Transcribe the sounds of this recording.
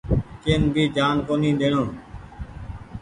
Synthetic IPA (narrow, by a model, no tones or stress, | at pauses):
keːnbiːd͡ʒaːnkoːnĩːɗ̪eːɳõː